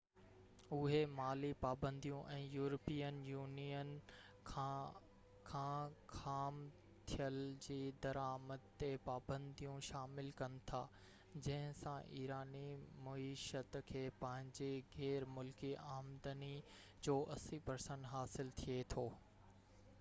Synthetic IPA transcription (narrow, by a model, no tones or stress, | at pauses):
ʊɦemaːlipaːbə̃nd̪ijũʔɛ̃ːjuːɾəpiːənjuːnijənʰ | kʰãkʰaːm | t̪ʰijəld͡ʑiːd̪ɐɾaːməd̪̚t̪epaːbə̃nd̪ijũʃaːmɪlkɐnɪ̆t̪ʰa̰ː | d͡ʑɐ̃ɦɪ̃sãʔiːɾaːnimɐiːʃət̪kʰeːpɐ̃ɦɪ̃ɲd͡ʑeɣɛːɾmʊlkiaːmd̪əni | d͡ʑoːʔɐsipɐɾsə̃ɳɖɦaːsɪlt̪ʰiet̪ʰoː